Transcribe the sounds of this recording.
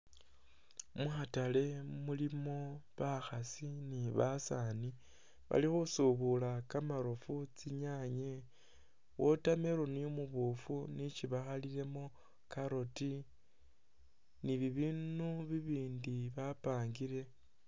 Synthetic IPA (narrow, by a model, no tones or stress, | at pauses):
muxatale̞mulimo̞βaxasiniβasani | βa̰lixusuβulakamaɾofut͡siɲaɲe | wotame̞ɾoniomuβufunit͡ʃiβaxalile̞mo̞ | kaɾoti | niβiβinuβiβiːndiβapaːŋɡiɾe̞